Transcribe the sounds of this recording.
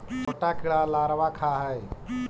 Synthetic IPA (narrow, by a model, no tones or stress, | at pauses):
koʈakiɭalaɾbakʰaɦəj